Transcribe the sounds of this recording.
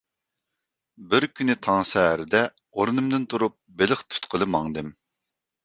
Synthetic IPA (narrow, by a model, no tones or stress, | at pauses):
bɪɾkʲʰynɪt̪ʰɑŋsɛɦæɾɪd̪ɛ | oɾɨnɨmd̪ɨnt̪ʰuɾup̚belɪχt̪ʰy̥t̪qʰəlˠɨmɑŋd̪ɨm